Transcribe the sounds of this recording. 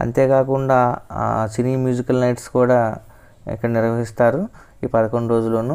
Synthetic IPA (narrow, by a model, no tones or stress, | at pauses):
ɐ̰nt̪eːkaːkuɳɖaːsiniːmjuːd͡ʒikːɐlnɐjʈskuːɽaː | ḭkːɐɽɐniɾʋɐɦist̪aːɾu | iːpɐd̪ɐkoɳɖuɾo̞ːd͡ʒuloːnu